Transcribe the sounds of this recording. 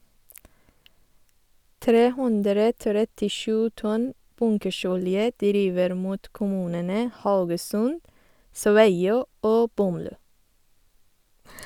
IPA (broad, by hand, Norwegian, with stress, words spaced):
ˈtɾeː ˈhʊndɾə tɾɛtɪˈʃʉː ˈtɔn ˈbʊŋkəˌʃɔljə ˈdɾiːʋəɾ ˈmuːt kʊˈmʉːnənə ˈhaʊɡəsʉnd ˈsʋæɪˌoː ˈoː ˈbɔmˌlʉː